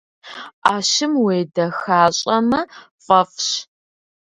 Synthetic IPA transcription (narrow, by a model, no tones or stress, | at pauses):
ʔaːʃɪmweːdɐxaːɕʼɐmɐfʼɐfɕ